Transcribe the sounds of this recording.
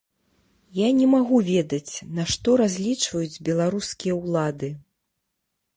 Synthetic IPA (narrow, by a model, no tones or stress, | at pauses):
janʲɛmaɣuvʲɛd̪ɐt͡sʲnɐʂt̪ɔɾazʲlʲit͡ʂvɐjud͡zʲbʲɛlˠaɾuskʲijɐwlˠad̪ɨ